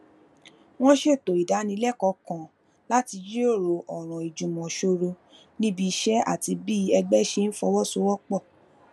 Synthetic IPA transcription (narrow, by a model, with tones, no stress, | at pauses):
w̃ɔ̃˦ʃe˦˨to˨i˨da˨˦nĩ˧˦lɛ˦˨kɔ˧kã˨ | la˦ti˧d͡ʒi˦o˦˨ɾo˨ʔɔ˨ɾ̃ɔ̃˨i˨d͡ʒũ˨mɔ̃˨ʃo˧ɾo˧ | nĩ˦bi˧ʃɛ˦a̰˦˨ti˧bi˦ɛ˧ɡ͡bɛ˦˨ʃe˧˦n̩˦fɔ˧wɔ˦so˧˦wɔ˦k͡pɔ˦˨